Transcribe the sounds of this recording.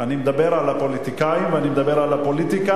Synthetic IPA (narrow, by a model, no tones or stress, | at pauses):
animed̪abe̞ʁalapo̞lit̪ikaimveanimed̪abeʁalapo̞lit̪ika